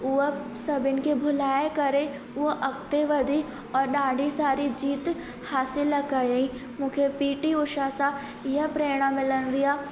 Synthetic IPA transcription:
ʊəsɐbɪnkebʱʊlaːekɐɾe | ʊoʔɐkt̪eʋɐd̪ʱi | ɔːɾɗaːɖisaːɾid͡ʒiːt̪ | haːsɪlɐkajĩmũːkʰepiːʈiʊʃasa | ɪjapɾɛːɽ̃amɪlə̃nd̪ɪjaː

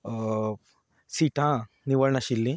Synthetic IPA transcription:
siʈʰã | niʋəɭɳaɕilːĩ

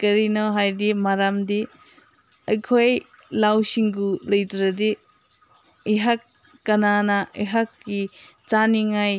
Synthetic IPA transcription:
kɐɾinɔɦajdimaɾamdi | ɐjkʰoj | lawsiŋɡulɐjdɾɐdi | iɦak̚ː | ɐnanɐʔijɦakːi | t͡ʃaniŋaj

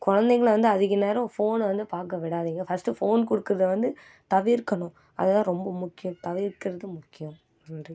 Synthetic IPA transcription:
kɔɻɐnd̪ɛɣɡɐɭʋɐnd̪ɯɐðɯkːɯneːɾɐ̃foːnʋɐnd̪ɯpaːɾkɐʋɪɽaːðiːŋɡɐfɐsʈːɯfoːnkɔɽɯkːɯɾɐðɯʋɐnd̪ɯ | t̪ɐʋɪɾkːɐɳʊ̃ | ʔɐ̰ðɐt̪ãːɾɔmbɐmʊkːɪjɐ̃mt̪ɐʋɪɾkːɪɾɐðɯmʊkːɪjɐm | n

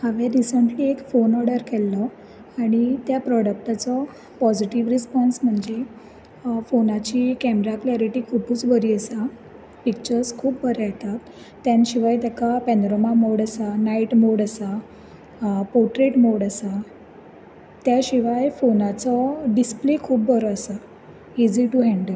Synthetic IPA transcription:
haʋeɾisəɳʈliːekfonɔɾɽəɾkʰɛlːɔ | aɽ̃it̪japɾɔɽək̚ʈat͡sɔ | pɔd͡ʑiʈiʋɾispɔnsm̤əɳd͡ze | fonat͡ɕiːkɛmeɾaklaɾiʈikʰupuːt͡sbəɾiːəsa | pik̚t͡ɕəɾskʰuːp̚bəɾajt̪at̪ː | jãnɕiʋajt̪jakapɛnd̪ɾomamoɽasanaiʈmoɽəsa | pɔɾʈɾeʈmoɽəsa | t̪jaɕiʋajfonat͡sɔɖisplekʰuːp̚bəɾɔːsa | id͡ziʈuɦɛ̃ɳɖəl

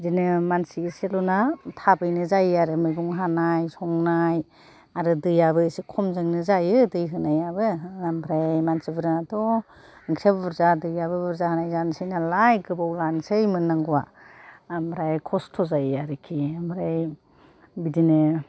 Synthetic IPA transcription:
bidinɯmansiːselɔnatʰabɯjnɯzajaɾɯmɯjɡuŋɦanajsɔŋnaj | aɾɯdɯjaβɯsekʰɔmzɯŋnɯzajɯdɯjɦɯnajabɯambɾajmansibɯɾɯnatɔ | ŋkʰɾebbɯɾzadɯjabɯbɯɾzahanajzansɯjnalajɡɯbawlansɯjmɯnːaŋɡuwa | ambɾajkʰɔstʰɔzajaɾɯkʰiambɾaj | bidinɯ

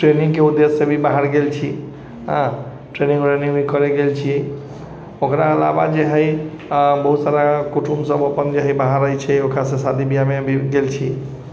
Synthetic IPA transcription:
ʈɾenĩŋɡkeud̪ːesːẽbʱibaɦaɾɡelt͡ʃʰi | ɦə̃ | ʈɾenĩŋɾeniŋbʱikəɾeɡelt͡ʃʰi | okɾaəla̰ba̰d͡ʒeɦəj | bəɦut̪saɾakuʈʰumsəbəpənd͡ʒeɦəjbaɦaɾəjt͡ʃʰɛokɾasẽsad̪ibijamebʱiɡelt͡ʃʰi

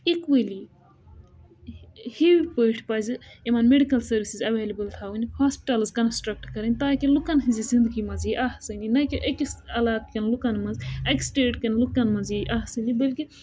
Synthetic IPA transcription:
ikʋəli | hiwipəiʈʰpɐːzɨimɐnmeɖikɐlsɐɾʋisizɐʋeːlɐbəlt̪ʰaːunihaːspiʈɐlzkɐnsʈɾɐk̚ʈkɐɾɐnʲt̪aːkelukɐnɦizizĩnd̪ɨɡimɐziʔahsɐninɐkiʔɐkisɐlaːt̪kɐnlukɐnmɐnzɐksʈeːʈkɐnlukɐnmɐziʔaɦsɐnibɐlki

